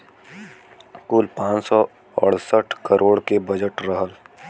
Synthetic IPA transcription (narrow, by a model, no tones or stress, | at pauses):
kʊlpãːt͡ʃsɔ | ə̰ɽ̤səʈʰkəɾʔoːɽkebəd͡ʒəʈɾəɦəl